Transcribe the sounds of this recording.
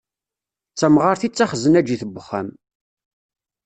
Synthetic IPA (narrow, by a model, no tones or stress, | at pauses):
t͡sːæmʁaɾθit͡sːaχəzənæd͡ʒiθəbːəχːæm